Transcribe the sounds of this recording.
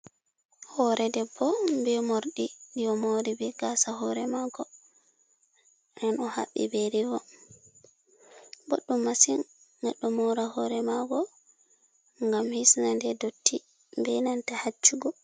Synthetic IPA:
hɔɾʔɛdɛbːɔmbɛmoɾɗidijɔmoɾibɛɡasahɔɾɛmaɡɔ | nɛnɔha̰ɓːḭbeɾivɔ | boɗːumːasinː | aɗːɔmoɾahɔɾɛmaɡɔ | ŋɡamhisnandɛdotːi | mbɛnantahat͡ʃːuɡɔ

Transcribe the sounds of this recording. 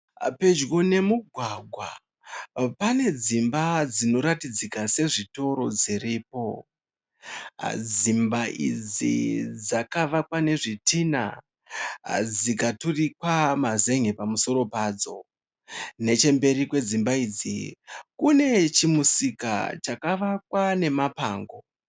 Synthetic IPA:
pe̞d͡ʒɡone̞muɡʱwaɡʱwa̰ | pane̞d͡zimbad͡zino̞ɾatid͡zikase̞ʐito̞ɾo̞d͡ziriːpo̞ | d͡zimbaʔḭd͡zḭd͡zakaʋakwane̞ʐitʰina̰ | d͡zikaturikwamaze̞ŋepamuso̞ɾo̞paːd͡zo̞̰ | ne̞t͡ʃe̞mbe̞rikwe̞d͡zimbaiːd͡zḭkune̞t͡ʃimusika̰t͡ʃakaʋak̚wane̞mapaːŋɡo̞

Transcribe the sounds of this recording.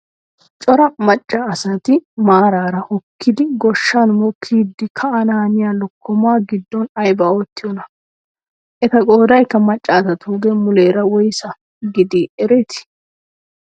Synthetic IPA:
t͡ʃʼɔɾɐmɐt͡ʃʼːɐːsɐt̪ɪmaːɾaːɾɐʔɔkʰːɪd̪ɪɡɔʃːanmɔkʰːiːd̪ːɪkʰɐɐnɐhɐnɪjaːlɔkːɔmaːɡɪd̪ːɔnɐjbɐot̪ːɪjɔnɐ | ʔɛt̪ɐɡʼoːd̪ɐjkːɐmɐt͡ʃʼːaːt̪ɐt̪uɡɛmʊleːɾɐwɔjsɐ | ɡɪd̪iɛɾɛt̪ɪ̥

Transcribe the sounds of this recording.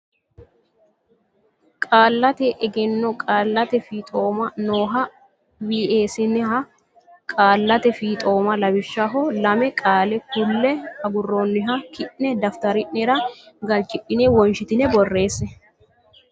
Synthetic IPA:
kʼaːlːɐt̪ɛʔɛɡɛnːɔkʼaːlːɐt̪ɛfiːt̪ʼo̞ːmɐnoːɦɐ | wiːʔe̞ːsɪnɛhɐ | kʼaːlːɐt̪ɛfiːt̪ʼo̞ːmɐlɐbɪʃːɐɦɔlɐmɛkʼaːlɛhʊlːɛɐɡʊrːoːnːɪɦɐkɪʔnɛd̪ɐft̪ɐɾɪʔnɛɾɐɡɐlt͡ʃʼɪpʼːɪnɛwɔnʃɪt̪ɪnɛbɔrːe̞ːsːɛ

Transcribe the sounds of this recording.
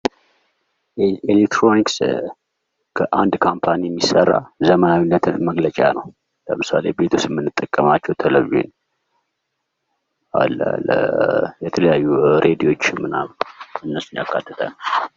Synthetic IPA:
elekt̪ɾo̞niks | kʰəʔand̪kʰampʰanijɛmːisərːa̰zəmənawinːət̪ʰɨnməɡlət͡ʃʼa̰nə̰w | ləmɨsale̞be̞t̪ʰusɛmːɨnːɨt̪ʼːəkʼːəmat͡ʃːɛwt̪ʰələβḛn | a̰lːə̰lə̰jɛt̪ʰələjajːuɾʔe̞d̪iwo̞t͡ʃːmɨna̰mɨnːəsunja̰kʰːat̪ʰːɨt̪ʰənəw

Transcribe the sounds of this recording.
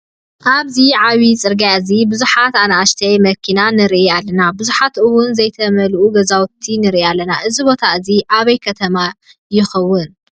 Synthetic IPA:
ʔaβziʕawit͡sʼɨɾɡjazibɨzuħat̪anaʔaʃt̪ʰɐjmɐkʰinanɨɾʔialːɐnabɨzuħat̪ɨwʊnzɐjt̪ʰɐmɐlʔuɡɐzawt̪ʰinɨɾialːɐnaʔɨzibo̞t̪ʰaɨziʔaβɐjkʰɐt̪ʰɐma | jɪxɐwːʊn

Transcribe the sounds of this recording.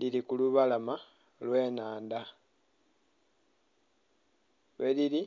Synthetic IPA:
lilikuluβalama | lwe̞ːnaːnd̪a | βelili

